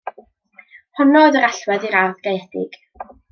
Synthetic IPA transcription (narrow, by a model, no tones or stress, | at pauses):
hɔnɔðəɾaɬwɛðiɾarvɡejɛθɪ̰ɡ̥